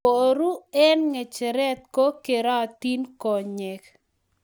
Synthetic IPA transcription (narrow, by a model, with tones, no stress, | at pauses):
o˨ɾu˦ɛ˦nŋɛ˨t͡ʃɛ˨ɾɛ˦t̪̚ko˦ke˨ɾa˦˨t̪i˦nkɔ˨ɲɛ˨k